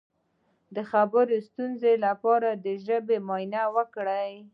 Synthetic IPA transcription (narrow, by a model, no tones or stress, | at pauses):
d̪əxabəɾost̪unzelapɑɾad̪əʒəbemɑjnawəkɽaj